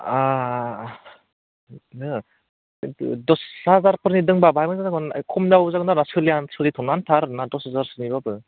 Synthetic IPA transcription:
a | ɯ | dɔshazaɾpʰɯɾnidɯŋbabajmɯŋzazaɡɯnkʰɔmzabzakɯnanasɯliansɯlitʰɔnantʰaɾnadɔsazaɾsɯnibabɯ

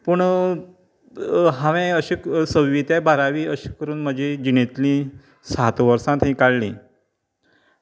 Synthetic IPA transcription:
pəɳ | ɦaʋẽəɕiːksəwʋit̪abʱaɾaʋiːəɕi̥kəɾuːnm̤əd͡ʑid͡ʑinet̪lĩ | sat̪ʋəɾsãt̪ɦĩkaɽlḭ̃

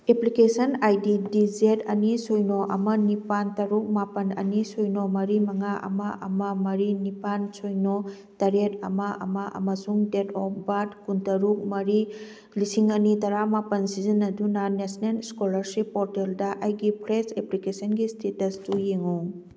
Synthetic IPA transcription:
eplikesɐnajdidid͡ʒetɐnisojnoʔɐmɐnipantɐɾuk̚mapɐnɐ̰nisojnomɐɾimɐŋaʔɐ̰mɐʔɐ̰mɐmɐɾinipansojno | tɐɾetɐ̰mɐʔɐ̰mɐʔɐ̰mɐsuŋdetʰɔpʰbadkuntɐɾuk̚mɐɾi | lisiŋɐnitɐɾamapɐnsizinːɐdunɐnesnenskolɐɾsipːɔɾteldɐʔajɡipʰɾeseplikesɐnɡistʰetɐstujeŋo

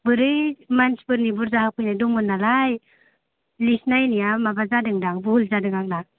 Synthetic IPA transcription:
bɯɾɯjmansbɯɾnibuɾzahapɯjnajdɔŋɯnːalaj | lisnajnijamabazadɯŋdaŋbuhulzadɯŋaŋdaŋ

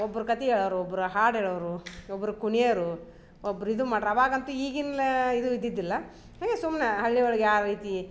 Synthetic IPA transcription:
ɔbːɐɾukɐt̪iɛːɭɐʋɾuɔbːɐɾuɦaːɽɦeːɭɐʋɾuɔbːɐɾukuɳijɐɾu | obːɐɾuid̪umaːɖɾɐʋaːɡɐnt̪uiːɡinleid̪uid̪ːid̪ːilːɐ | ɦaːŋɡesumnɐɦɐɭːioɭɐɡejaːɾɾiːt̪i

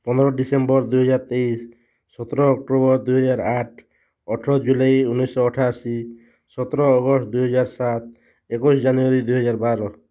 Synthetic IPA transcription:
pɔnd̪ɔɾɔɖisembɔɾd̪ujɦɔd͡ʒaɾt̪eisː | ɔt̪ɔɾɔːk̚ʈobɔɾd̪ujɦɔd͡ʒaɾaʈʰ | ɔʈʰɔd͡ʒulajunːisːɔːʈʰasi | sɔt̪ɔɾɔːɡɔsʈd̪uɦɔd͡ʒaɾsat̪̚ | ekusd͡ʒanuaɾid̪ujɦɔd͡ʒaɾbaɾɔ

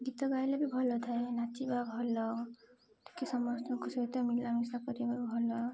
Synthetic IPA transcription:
ɡit̪ɔɡajlebibʱɔlɔt̪ʰaenat͡ʃibabʱɔlɔ | t̪i̥kesɔmɔstɔkusɔit̪ɔmilamisakɔɾibabʱɔlɔ

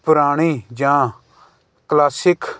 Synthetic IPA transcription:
pʊɾaːɽ̃iːd͡ʒãː | klaːsɪk

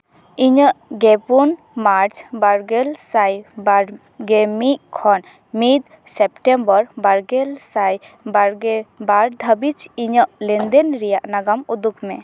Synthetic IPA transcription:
iɲəʔɡɛpun | maɾt͡ʃbaɾɡɛlsajbaɾ | ɡɛmiʔkʰɔn | mid̪ | sɛp̚ʈɛmbəɾbaɾɡɛlsaj | baɾɡɛbaɾd̪ʱəbit͡ʃiɲəʔlɛnd̪ɛnɾɛjaʔnaɡamud̪ukmɛ

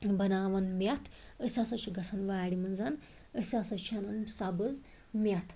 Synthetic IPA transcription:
bɐnaːʋɐnmjat̪ʰ | əsʲasɐt͡ʃʰuɡɐsʰanʋaːɽimənzan | əsʲasɐt͡ʃʰɐnɐnsabəz | miat̪ʰ

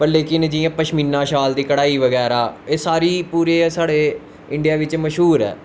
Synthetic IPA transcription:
pəɾleːkɪnd͡ʒɪːãːpəʃmiːnːãːʃaːld̪iːkəɽaːiːʋəɡɛːɾaːeːsaːɾiːpuːɾeːsaːɽeː | ɪ̃ɳɖɪjaːʋɪt͡ʃməʃɦuːɾɛ̰ː

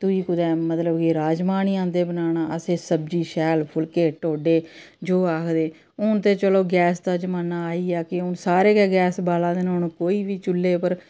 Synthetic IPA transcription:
t̪ʊiːkʊd̪ɛːmət̪ləbkiɾaːd͡ʒmaːniːãːd̪eːbənaːñaːəsẽːsəbd͡ʒiːʃɛːlpʰʊlkeːʈoːɖeː | d͡ʒoːaːkʰd̪eː | ʊnt̪eːt͡ʃəloːɡɛːsd̪aːd͡ʒəmaːnaːaːiːaːkɪʊnsaːɾeːɡɛːɡɛːsbaːlãːd̪eːnõːnũːkoːiːʋiːt͡ʃʊlːeːpəɾ

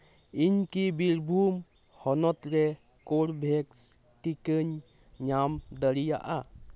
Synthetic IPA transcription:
iɲkibiɾbʱum | hɔnɔt̪ɾɛ | koɾbʱɛks | ʈikəɲ | ɲamd̪əɾija̰ʔa

